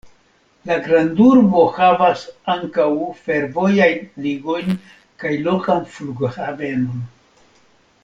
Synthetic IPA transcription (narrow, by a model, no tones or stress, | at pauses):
laɡɾanduɾbo̞havasaŋkawfe̞ɾvo̞jajnliɡo̞jn | kajlo̞kanfluɡhave̞no̞n